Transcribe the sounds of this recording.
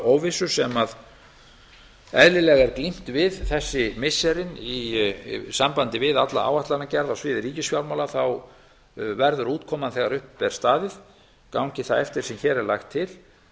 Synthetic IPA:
owvɪsʏ̥sɛmað | ɛðlɪlɛɣɛɾklim̥t̪vɪðθɛsːɪmɪsːɛɾɪni | sampant̪ɪvɪðat̪la̰a̰ːwaht̪anacɛɾðawsvɪːðɪɾiːcɪsfjawlmawlaθaw | vɛɾðʏɾuːt̪kʰɔmanθɛɣaɾʏhpːɛɾ̥st̪aːðɪð | kawɲcɪθaðɛft̪ɪɾ̥sɛmçɛːɾɛɾlajxt̪ʰːɪl̥

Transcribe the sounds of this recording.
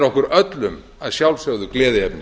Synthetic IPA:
ɾɔhkʏɾœt̪lʏm | aðsjawlsœɣðʏklɛːðɪɛpnɪ

